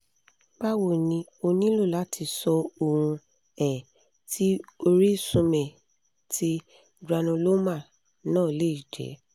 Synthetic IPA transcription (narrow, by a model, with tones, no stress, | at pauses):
ba˦wo˦˨nĩ˧o˧nĩ˦lo˦˨la˦tʰi˧sɔ˧o˧˨hũ˧ | ɛ˨ | tʰi˦o˧ɾi˦sũ˧mɛ̃˨ | tʰi˦ | ɡɾa˧nũ˧lo˦mã˦˨ | nãː˦˨le˦i˦˨d͡ʒɛ̰˨˦